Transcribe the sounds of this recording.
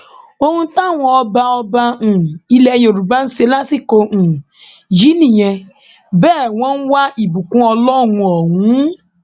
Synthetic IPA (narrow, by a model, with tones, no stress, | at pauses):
o˦ŋu˦ta˦˨ŋʷɔ˨ɔ˦ba˦ɔ˦ba˦n̩˨i˦le˦jo˨ɾu˨ba˦n̩˦si˦la˦si˦ko˨n̩˨ | d͡ʒi˦ni˨je˧ | bɛː˦˨ŋʷɔ˦ŋ̩˦wa˦i˨bu˨kũ˦ɔ˧lɔ˦˨ŋũ˨ɔ˨ŋʷuũ˦